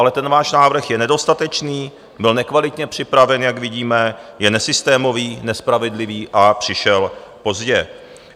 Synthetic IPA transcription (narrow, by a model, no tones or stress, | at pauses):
alɛt̪ɛnvaːʃnaːvr̩xjɛnɛdo̞st̪at̪ɛt͡ʃniː | bɪlnɛkvalɪt̪ɲɛpr̝̥ɪpɾavɛnjakvɪɟiːmɛjɛnɛsɪst̪ɛːmo̞viːnɛspɾavɛdlɪviːʔapr̥ɪʃɛlpo̞zɟɛ